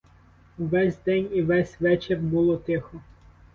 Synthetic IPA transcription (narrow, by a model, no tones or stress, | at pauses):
ʋɛsʲd̪ɛnʲiʋɛsʲʋɛt͡ʃerbulˠɔt̪ɪxɔ